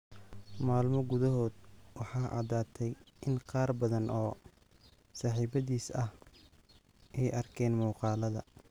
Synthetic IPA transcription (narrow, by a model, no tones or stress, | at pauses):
maːlmɔɡʊðɐɦɔːd̪wɑħɑːʔɑ̰ːðaːt̪ʰɛjʔɪnqɑːrbɐðɐnʔɔː | saːħiːbɐðiːsɐh | ʔɛjʔɐrkʰɛːnmuːqɑːlɐðɐ̰